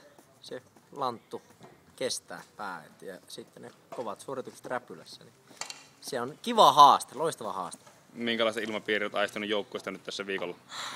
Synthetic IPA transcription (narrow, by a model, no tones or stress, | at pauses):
selɑnt̪ːu | kest̪æ̰ːpæːḛt̪jɑsit̪ːene | koʋɑt̪suorit̪ukse̥t̪ræpylæ̰sːæ̰nisieonkiʋɑhɑːst̪eloist̪ɑʋɑhɑ̰ːst̪e̥ | miŋkælɑˑist̪ilmɑpiːriot̪ɑˑist̪ɑnujoˑukːoˑesʲt̪ɑnyt̪t̪æsːæʋiːkolːɑ